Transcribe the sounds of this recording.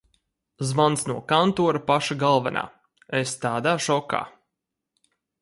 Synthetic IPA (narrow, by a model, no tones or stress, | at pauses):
zvant̪snuɔkant̪uɔɾapaʃaɡalˠvana̰ː | est̪aːd̪aːʃɔka̰ː